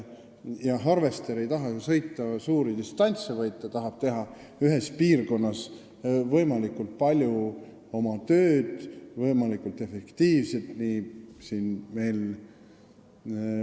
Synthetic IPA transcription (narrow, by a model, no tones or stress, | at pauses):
jɑɦɑrve̞st̪eɾe̞jt̪ɑɦɑsɤ̞jt̪ːˑɑsuːɾid̪ist̪ɑnʲt̪sevɤjt̪ːˑɑt̪ɑɦɑb̥̚t̪e̞ɦɑ | yɦespiːrko̞nːɑs | vɤ̞jmɑlikːult̪̚pɑlʲju | o̞mɑt̪øːd̪̥vɤjmɑlikˑult̪e̞fe̞kt̪iːvse̞lt̪nisiːnme̞jl